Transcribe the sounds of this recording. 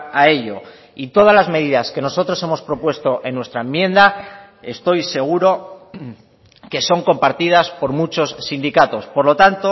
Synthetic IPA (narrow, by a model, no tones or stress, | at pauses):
ae̞ʎo̞ | it̪o̞ð̞azlazme̞ðiðaske̞no̞so̞t̪ɾo̞se̞mo̞spɾo̞pwe̞st̪o̞ʔe̞nːwe̞st̪ɾaemje̞nd̪a | e̞st̪o̞jse̞ɣ̞uɾo | ke̞so̞ŋko̞mpaɾt̪ið̞aspo̞ɾmut͡ʃo̞sːind̪ikat̪o̞spo̞ɾlo̞t̪ant̪o